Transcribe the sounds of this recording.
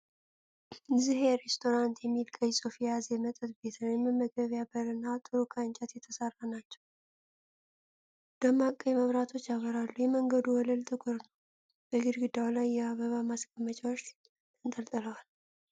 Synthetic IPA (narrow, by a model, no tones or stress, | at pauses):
zɨɦeɾest̪ʰo̞ɾant̪jɛmːilkʰʼəjsʼofijazejɛmət̪ʼət̪be̞t̪ʰənjɛmːɨmːəɡəβjabəɾɨnːat̪ʼɨɾukʰant͡ʃʼat̪jɛt̪ʰəsarːanat͡ʃːɛ̥w | d̪̥əmakʼːəjɛməβɾat̪ʰo̞t͡ʃːjaβəɾalːujɛməŋɡəd̪uwɔləlt̪ʼɨkʰʼoɾnəw | b̥əɡɨɾɡɨd̪awlajːɛaβəβamaskʼəmːət͡ʃʼawot͡ʃː | ɨnt̪ʼəlt̪ʼələwal